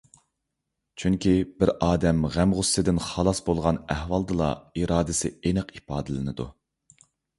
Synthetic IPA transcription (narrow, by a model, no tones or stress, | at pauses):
t͡ʃʰyŋkʲʰibɪɾɑːd̪ɛmʁæmʁʊsːɨd̪ɪnχɑlˠɑsbolˠʁɑnæhwɑlˠd̪ɨlˠɑ̰iɾɑːd̪ɪsɪ̰enəqipɑːd̪ɨlɨnɨd̪u